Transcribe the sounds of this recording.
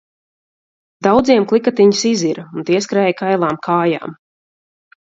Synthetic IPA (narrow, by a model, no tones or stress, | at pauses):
d̪awd̪ziɛmklˠikat̪iɲisiziɾaunt̪iɛskɾɛːjkajlˠaːmkʰaːja̰ːm